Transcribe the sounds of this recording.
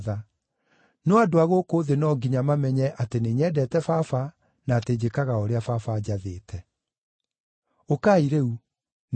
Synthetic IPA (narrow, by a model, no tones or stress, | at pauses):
ða | nɔadoaɣokoːðenɔɡiɲamamɛɲɛʔateneɲɛːdɛtɛfafa | naːted͡ʑekaɣaɔɾeafafad͡ʑaðeːtʰɛ | okaiɾeu | n